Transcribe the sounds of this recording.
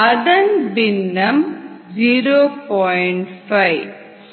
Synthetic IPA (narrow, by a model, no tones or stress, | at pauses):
ɐðɐnbɪnːɐmd͡ʒiːɾoːpɔːjɳʈfɐɪʋ